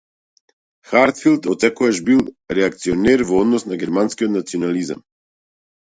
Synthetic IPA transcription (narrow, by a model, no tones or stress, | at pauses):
xaɾt̪filˠt̪ɔt̪sɛkɔaʃbilˠ | ɾɛak̚t̪siɔnɛɾvɔɔd̪nɔsnaɡɛɾmanskiɔt̪nat̪siɔnaliza̰m